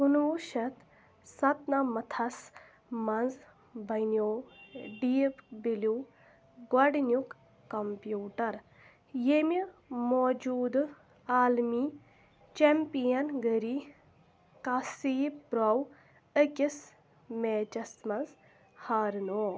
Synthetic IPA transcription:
unuʃɐt̪ | sɐt̪namɐt̪ʰɐs | mɐnz | bɐnjoːɖiːpbilu | ɡwɐɖnjukː | ɐmpjuːʈɐɾ | jemimoːd͡ʒuːd̪ | aːlmi | t͡ʃempijɐnɡəɾi | kasiːbbɾɐw | əkʲis | meːt͡ʃɐsmɐnz | haːɾnoː

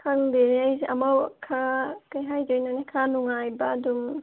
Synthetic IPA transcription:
kʰaŋdeneajzʔamawkʰakajɦajd͡ʒɔjnanekʰanuŋajbaːdum

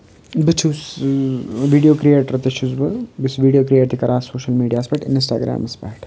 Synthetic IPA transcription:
bɨt͡ʃʰus | ʋiːɖijoːkɾieːʈɾɐt̪iʃuzbɐbɨsʋiːɖijoːkɾieːʈt̪ʰikɐɾaːsoːʃɐlmiːɖijaːspɛːʈɪ̰nsʈa̰ːɡɾa̰ːmɐspɛ̰ːʈʰ

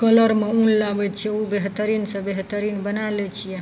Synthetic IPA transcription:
kələɾmeũllabɛt͡ʃʰijɛubeɦt̪əɾinsə̃beɦt̪əɾinbənalɛt͡ʃʰijɛ

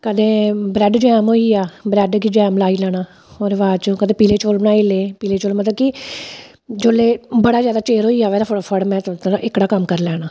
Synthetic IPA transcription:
kəd̪ẽːbɾɛːɖd͡ʒɛːmɦoːiːaːbɾɛːɖkid͡ʒɛːmlaːiːlɛːɽ̃aː | oːɾʋaːt͡ʃokəd̪ẽːpiːleːt͡ʃoːlnaːeːleːpiːleːt͡ʃoːlmət̪ləb̚ki | d͡ʒoːleːbəɽaːzjaːd̪aːt͡ʃeːɾɦoːiːaːʋɛːd̪aəɽpʰəɽmɛ̃ːt̪t̪aʔɪkɽaːkəmkəɾlɛːɽ̃aː

